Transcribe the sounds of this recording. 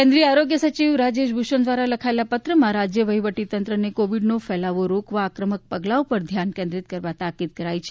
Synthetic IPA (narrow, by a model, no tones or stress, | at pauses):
kɛ̃nd̪ɾiəaɾoɡjəsət͡ʃiʋɾad͡ʒeʃbʱuʃənd̪ʋaɾaləkʰaelapət̪ɾəmãɾad͡ʒjəʋəɦiʋəʈit̪ənt̪ɾənekoʋiɖnofɛlaʋoɾokʋaːkɾəmək̚pəɡlaopəɾd̪ʱjankẽnd̪ɾit̪̚kəɾʋat̪akid̪̚kəɾait͡ʃʰe